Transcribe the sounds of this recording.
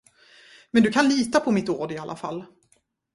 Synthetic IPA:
mɛnd̪ɵkʰanliːt̪apʰɔmɪt̪oːɖɪalʔa̰fa̰lː

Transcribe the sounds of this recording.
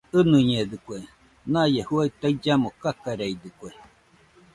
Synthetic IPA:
ɨnɨɲeðɨkʷe | nãjehuait̪aid͡ʒamokakaɾeid̪ɨkʷe

